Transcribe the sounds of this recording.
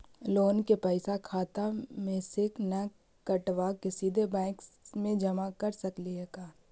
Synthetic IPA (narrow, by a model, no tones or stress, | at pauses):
loːnkepɛɪsakʰaːt̪amẽsɪknɐ | kɐʈʋakesiːd̪ʱebɛ̃ːksmẽd͡ʒɐmakɐɾsɐkliɦɛkaː